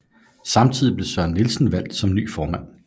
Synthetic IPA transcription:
sɑ̈mt͡sʰiðˠib̥le̝sɶɐ̰nːilsn̩ʋæl̰d̥sɒ̽mny̰ːfɒːmæn̰

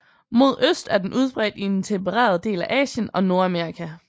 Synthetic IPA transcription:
mo̝ð̞̰ˠøsd̥æɐd̥enʔuð̞ˠb̥ʁɛːd̥ie̝nt͡sʰembəʁḛːɐðˠd̥e̝̰ːlæʔɛ̰ːɕənɒ̽no̝ːɐæmeɐikʰæ

